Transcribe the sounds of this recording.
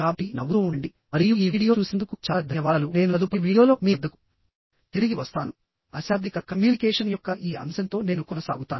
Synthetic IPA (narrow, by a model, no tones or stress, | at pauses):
aːpinɐʋuɾuuɳɖi | mɐɾijuiːʋiːɽijo̞ːt͡ʃuːsend̪ukut͡ʃaːlad̪ʱɐjɐʋaːlune̞ːnuɐd̪upiʋiːɽijo̞ːlo̞ːmiːd̪ːɐku̥ | t̪iɾiɡiʋɐst̪aːnu | ɐsaːd̪ʱikɐkɐmjuːnikɛːʂɐnjɔkːɐʔiːɐ̰msɐnt̪o̞ːne̞ːnukɔnɐsa̰ːɡut̪aːn